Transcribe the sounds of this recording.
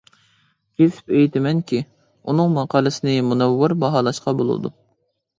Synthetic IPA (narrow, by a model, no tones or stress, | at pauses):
kʲʰesɪ̥pejt̪ʰɪmɛnkʲi | unɨŋmɑqʰɑːlˠɨsɪnɪmunɛwːɪɾbɑɦɑːlˠɑʃqɑbolˠṵd̪ṵ